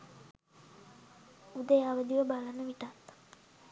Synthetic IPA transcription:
ud̪əjaʋəd̪iʋəbalanːəʋiʈat̪

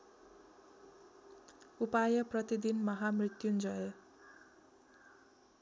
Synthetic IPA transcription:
upajʌprʌt̪id̪inmʌɦamrit̪jund͡zʌe

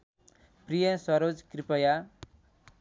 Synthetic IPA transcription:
pɾijəsɐɾod͡ʒkɾipəja

